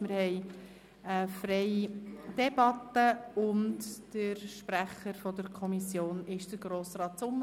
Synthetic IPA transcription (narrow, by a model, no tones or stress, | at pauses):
mɪɾhɛj | əfɾɛjd̥ɛbɑtːəʊntd̥əɾʃpɾæχəɾfɔdəɾkʰɔmisjoːnɪʃd̥əɾɡɾoːsrɑːtt͡sʊmːə